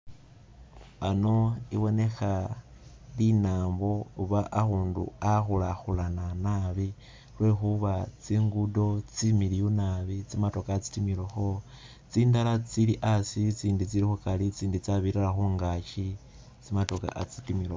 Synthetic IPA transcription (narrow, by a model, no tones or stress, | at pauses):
ano̞ḭβo̞ne̞xa | linaːmbo̞uβaʔːxuːndṵaxulaxulananaβi | lwe̞xuβat͡siːŋɡudo̞t͡similijunaβit͡simato̞kaːt͡si̥timiloxo̞ | t͡siːndalat͡siliʔasit͡siːndit͡siɾixukalit͡siːndit͡saβiɾalaxuːŋɡaʃi | t͡simato̞ka̰ʔat͡sitimilo